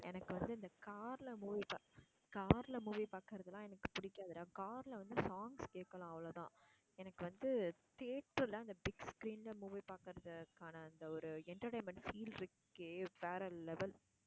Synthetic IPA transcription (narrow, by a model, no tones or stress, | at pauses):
ɛ̰nɐkːɯʋɐnd̪ɯɐnd̪ɐkaːɾlɐmuːʋipa | kaːɾlɐmuːʋipaːkɯɾɐðɐlãːɛnɐkːɯ̥pʊɽɪkːaːðɯlaːkaːɾlɐʋɐnd̪ɯsaːŋɡskeːʈkːɐlãːɐʋɐloːt̪ãː | ɛnɐkːɯʋɐnd̪ɯt̪eːʈrɯlɐɐnd̪ɐbɪɡskɾiːnlɐmuːʋipaːkɯɾɐðɐkaːnɐːnd̪ɐɔɾɯɛɳʈɐɾʈeːmɛɳʈfiːlɾɯkːɯʋeːɾɐlːɛʋɛl